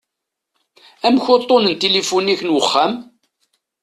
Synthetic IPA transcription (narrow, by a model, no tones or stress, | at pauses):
æmçot̪ˤːonənt̪elifuniçənwəχːæm